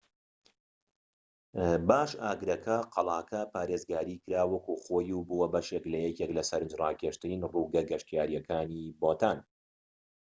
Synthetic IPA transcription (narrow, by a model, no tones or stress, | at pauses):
baːʃaːɡɾɐkʰɐqʰɑlˠaːkʰɐpaːɾezɡaːɾiːkɨɾaːwɐkuχoːjubuwɐbɐʃeklɐjɛkeklɐsɐɾɨnd͡ʒrɑːkeʃt̪ɨninruːɡɐɡɐʃt̪ijaːɾjɛkʰaːniboːt̪ʰaːn